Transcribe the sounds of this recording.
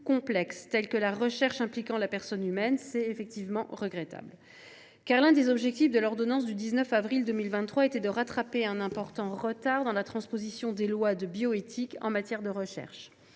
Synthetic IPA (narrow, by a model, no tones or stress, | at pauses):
kɔ̃plɛkst̪ɛlkəlaʁəʃɛʁʃɛ̃plikɑ̃lapɛʁsɔnymɛnsɛefɛk̚t̪ivmɑ̃ʁəɡʁɛt̪a̰bl | kaʁlɛ̃d̪ezɔbʒɛk̚t̪ifd̪əlɔʁd̪ɔnɑ̃s̬d̪yd̪iznœfavʁild̪ømilvɛ̃t̪ːχwaet̪ɛd̪əʁat̪χapeɛ̃nɛ̃pɔʁt̪ɑ̃ʁət̪aʁd̪ɑ̃lat̪χɑ̃spozisjɔ̃d̪elwad̪əbjoet̪ʰikɑ̰̃mat̪jɛʁd̪əʁəʃɛ̰ʁʃ